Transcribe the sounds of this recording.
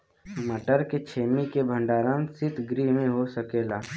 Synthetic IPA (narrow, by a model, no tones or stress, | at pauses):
mɐʈəɾket͡ʃʰeːmikebʱə̃ɳɖaːɾãnsɪt̪ʰɡɾimẽɦosəkeːlaː